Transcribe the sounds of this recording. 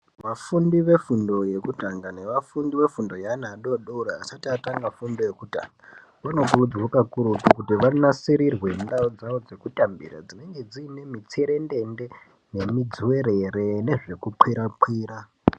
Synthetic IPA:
ʋafundiʋe̞fundo̞je̞kutaŋɡane̞ʋafundiʋe̞fundo̞janaɗo̞ɗoɾaːsatiataŋɡafundo̞je̞kuta̰ŋɡa | ʋano̞kuud͡zɡokakuɾupukutiʋanasiɾirwe̞ndaod͡zaʋod͡ze̞kutambḭra̰d͡zine̞ŋɡe̞d͡ziːne̞mit͡seɾe̞nde̞nde̞ | ne̞mid͡zuwe̞ɾe̞re̞ne̞ʐe̞kupʰwiɾapwiːra

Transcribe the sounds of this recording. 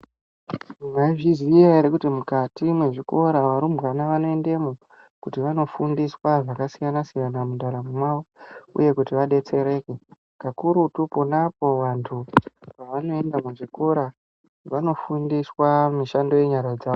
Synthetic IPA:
umaiʐizijaeɾekutimukatimwe̞ʐiko̞ɾaʋaɾumbɣanaʋano̞e̞ndemu | kutiʋano̞fundiswaʐakasijanasijanamuɗaɾamumwawoṵje̞kutiʋaɗe̞t͡se̞ɾe̞ːke̞ | kakuɾutuponapo̞ʋantʰupaʋano̞e̞ndamuʐiko̞ɾa | ʋano̞fundiswamiʃando̞je̞ɲaɾad͡zaːʋo

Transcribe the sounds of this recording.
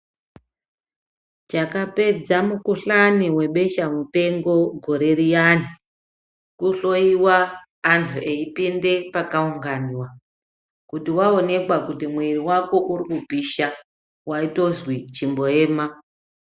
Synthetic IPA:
t͡ʃakape̞d͡zamukuɬaniwe̞ɓe̞ʃamute̞ŋɡo̞ɡʱo̞ɾe̞rijani | kuɬo̞iwaː | ntʰuʔeipinde̞pakauŋɡaniwa | kutiwao̞ne̞kwakutimwiriwako̞ʔurikupiʃa | waito̞zwit͡ʃimbo̞e̞ːma

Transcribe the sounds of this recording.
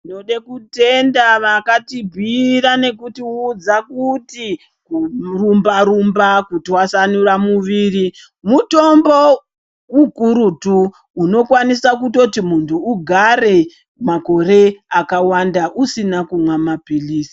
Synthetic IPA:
noɗekute̞ndaʋakatibʱiɾane̞kutiːd͡zakuti | kurumbaɾumbakutiwasanuramuʋiːri | muto̞mbo̞ | kuɡʱuɾutuː | no̞kwanisakuto̞timuntʰuːɡʱare̞ | mako̞re̞akawandaʔusinakumwamapiliːsi̥

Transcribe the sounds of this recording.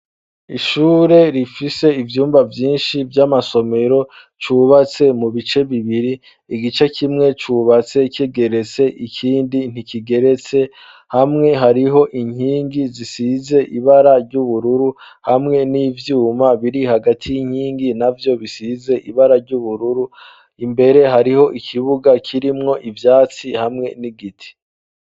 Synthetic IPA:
iʃuːɾe̞ɾifise̞ivjuːmbavjiːnʃivjamaso̞me̞ɾo̞ | t͡ʃuːβat͡se̞muβit͡ʃe̞βiβiɾiː | ɡit͡ʃekʰimŋe̞t͡ʃuːβat͡se̞keɡe̞ɾe̞t͡se̞ʔikʰiːndin̥ikiɡe̞ɾe̞t͡se̞ | hamŋe̞ɦaɾiɦo̞ʔiɲ̥hiːŋɡizisize̞ʔiβaɾaɾɟuβuɾuɾu | hamŋe̞niːvjuːmaβiɾihaɡatʰijiɲ̥hiːŋɡinavjo̞βisize̞ʔiβaɾaɾɟuβuɾuɾu | imbe̞ɾe̞ɦaɾiɦo̞ʔikʰiβuɡakʰiɾimŋo̞ʔivjaːt͡sihamŋe̞niɡitʰi̥

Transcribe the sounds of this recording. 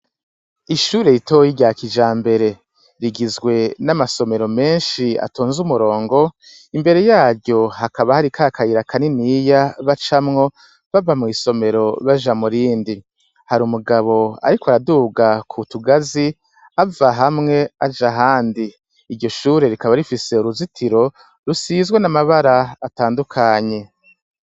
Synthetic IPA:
iʃuːɾe̞jitojiɟaːkid͡ʒaːmbe̞ɾe̞ | ɾiɡizɡwe̞namaso̞me̞ɾo̞me̞ːnʃia̰toːnzumuɾo̞ːŋɡo̞ | imbe̞ɾe̞jaːɾɟo̞hakaβahaɾikʰakʰajiɾakʰaninijaβat͡ʃamŋo̞ | βavamŋiːso̞me̞ɾo̞βaʒamuɾiːndi | haɾumuɡaβo̞a̰ɾikwaɾaduɡakʰutuɡazi | avaɦamŋe̞ad͡ʒaɦaːndiː | ɾɟo̞ʃuːɾe̞ɾikaβaɾifise̞uɾuzitʰiɾo̞ | ɾusizɡwe̞namaβaɾaːtaːndukʰaːɲe̞

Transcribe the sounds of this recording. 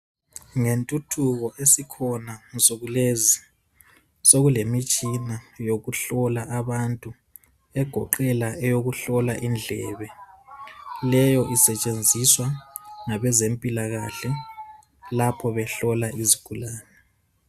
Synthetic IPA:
ŋentʼutʰuɣɔʔesikʰɔnasoɣulezi | soɣulemit͡ʃʼinajoɣuɬɔlaʔaβantʼu | ɛɡ̥ʱɔǃɛlaʔɛjoɣuɬɔlaʔind͡ɮʱɛ̰ːβɛ | lɛjɔʔisɛt͡ʃʼend͡zʱiswaŋaβɛzempʼilaɣaɬɛ | lapʰɔβɛɬɔlaiziɡ̥ʱulaːnɛ

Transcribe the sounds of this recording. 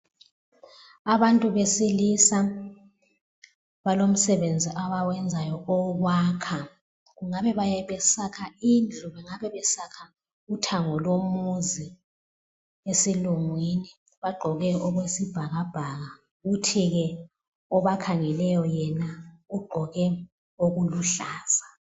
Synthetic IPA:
aβantʼuβesilisa | βalom̩sɛβend͡zʱiʔaβawɛnd͡zʱajɔɔɣwaːkʰa | ɣuŋaβɛβajɛβɛsakʰaind͡ɮʱuβɛŋaβɛβɛsakʰa | utʰaŋɔlomuzi | esiluŋwini | βaɡ͡ǃʱɔɣɛɔɣwesib̥ʱaɣab̥ʱaɣa | ɣutʰiɣɛ | ɔβakʰaŋɛlɛjɔjɛnauɡ͡ǃʱɔɣɛ | oɣuluɬaːz̥a

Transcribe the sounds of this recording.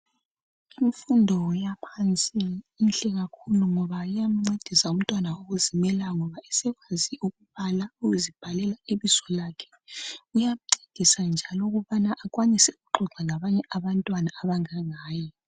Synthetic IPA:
iɱfundʱɔjapʰant͡sʼiːnɬʼɛɣakʰuluŋɔβajam̩ŋ͡ǀed̥ʱisaum̩tʼwanaoɣuzimɛlaŋɔβaɛsɛɣwaziʔuɣuβalauɣuzib̥ʱalɛlaeβizɔlakʰɛ̥ | ujam̩ǀed̥ʱisand͡ʒʱalɔɣuβanaʔːkʼwanisɛuɣuǃʱɔǁʱaŋaβaɲɛʔaβantʼwanaːβaŋaŋaːjɔ

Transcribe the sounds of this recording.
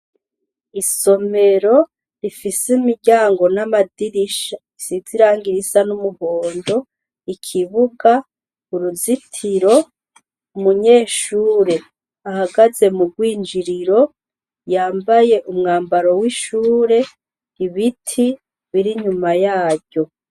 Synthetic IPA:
iso̞me̞ɾo̞ | ɾifisimiɾɟaːŋɡo̞namadiɾiʃaisiziɾaːŋɡiɾisanumuho̞ːndo̞ | ikʰiβuɡa | uɾuzitʰiɾo̞ | umuɲeːʃuːɾe̞ | ahaɡaze̞muɡwiːnd͡ʒiɾiɾo̞ | jaːmbaje̞ʔumŋaːmbaɾo̞wiʃuːɾe̞ | iβitʰi | βiɾiɲumajaːɾɟo̞

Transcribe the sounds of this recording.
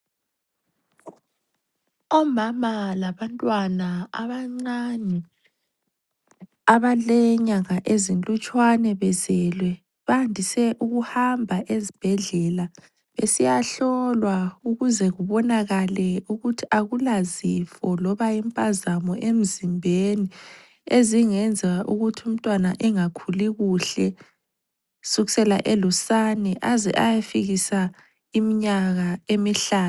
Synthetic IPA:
ɔmamalaβantʼwanaa̰βaŋ͡ǀanɛ | aβalɛɲaŋaʔezintʼut͡ʃʼwanɛβɛzɛlwɛ | βandʱisɛʔuɣuhambʱaʔezib̥ʱɛɮɛla | βesijaɬɔlwauɣuzɛɣuβɔnaɣalɛuɣutʰiaɣulazifɔlɔβajimpʼazamɔʔem̩zimbʱeni | eziŋɛnd͡zʱɛɣaʔuɣutʰium̩tʼwanaʔɛŋakʰuliɣuɬɛ | suɣisɛla̰ʔɛlusanɛʔazɛ̰ʔajafiɣisa | imiɲaɣaemiɬaːn

